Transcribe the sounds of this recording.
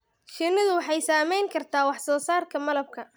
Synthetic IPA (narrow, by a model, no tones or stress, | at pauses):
ʃɪnɪðʊwɑħɑjsaːmɛjŋkʰɐrt̪ʰaːwɑħsɔːsaːrkʰɐmɐlɐb̚kʰɐ